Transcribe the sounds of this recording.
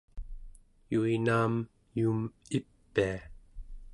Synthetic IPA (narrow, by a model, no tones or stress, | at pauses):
juinaːm | juːmipːia